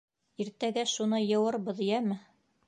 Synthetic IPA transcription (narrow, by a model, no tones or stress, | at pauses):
iɾt̪æɡæʃunɤjɤ̆wɤɾbɤðijæmɘ